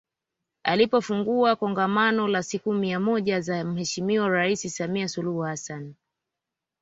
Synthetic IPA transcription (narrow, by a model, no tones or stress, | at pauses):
alipɔfuŋɡuakɔŋɡamanɔlasikumiamɔʄazam̩hɛʃimiɔɾaisisamiasuluhuhasan